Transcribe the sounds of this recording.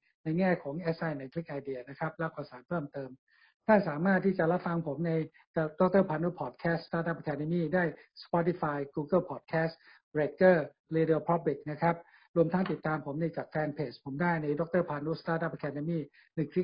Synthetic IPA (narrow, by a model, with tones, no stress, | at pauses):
na˧jŋɛː˥˩kʰɔː˩˦ŋʔɛː˦˥sa˧jna˧˩jkʰli˦˥k̚ʔa˧jdi˧˩ɐna˦˥kʰa˦˥p̚lɛː˦˥˩wkɔː˧˩saː˩˦npʰɤː˥˩mt̪ɤː˧m | t̪ʰaː˥˩saː˩˦maː˥˩t̪ʰːiː˥˩t͡ɕa˨˩ɾa˦˥fa˧ŋpʰo˩˦mna˧j | dɔ˦˥k̚t̪ɤː˥˩pʰaː˧nu˦˥pʰɔː˨˩t̪̚kʰɛː˦˥st̪aː˧˥t̪ʔa˦˥˩p̚ʔa˧kʰɛː˧də˧miː˥˩daː˥˩jspɔ˦˥t̪i˧˩faː˧jkuː˧kɤ˥˩pʰɔː˨˩t̪̚kʰɛː˦˥s | ɾeː˨˧˩kːɤː˥˩ | liː˧di˧pʰɾɔ˦˥p̚i˨˩k̚na˦˥kʰɾa˦˥p̚ | ɾu˧əmt̪ʰa˦˥ŋt̪i˨˩t̪ːaː˧mpʰo˩˦mna˧jt͡ɕaː˨˩k̚fɛː˧npʰeː˨˩spʰo˩˦mdaː˥˩jna˧jdo˧˦˥k̚t̪ɤː˥˩pʰaː˧nuː˦˥st̪aː˧˥ʔa˦˥p̚ʔa˧kʰɛː˧də˧miː˥˩ | nɯ˨˩ŋkʰli˦˥k̚